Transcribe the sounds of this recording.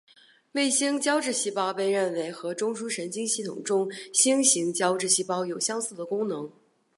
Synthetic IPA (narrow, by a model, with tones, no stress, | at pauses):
we˥˩ɪɕi˥ŋt͡ɕjɑ˥ʊʈ͡ʂɻ̩˥˩˧ɕi˥pɑ˥ʊpe˥˧ɪɻə˥˩nwe˧˥ɪxɤ˧˥ʈ͡ʂʊ˥ŋʂu˥ʂə˧˥nt͡ɕi˥ŋɕi˥˩t̪ʰʊ̰˨˩ŋʈ͡ʂʊ˥ŋɕi˥ŋɕi˧˥ŋt͡ɕjɑ˥ʊʈ͡ʂɻ̩˥˧ɕi˥pɑ˥ʊjo˨˩ʊɕjɑ˥ŋsɹ̩˥˩d̪ə˩kʊ˥ŋnɤ˧˥ŋ